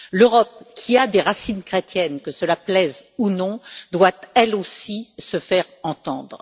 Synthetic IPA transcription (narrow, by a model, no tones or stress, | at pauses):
løʁɔp̚kʲʰiad̪eʁasinkχet̪jɛnkəsəlaplɛzunɔ̃d̪wat̪ɛlosisəfɛʁɑ̃t̪ɑ̃d̪ʁ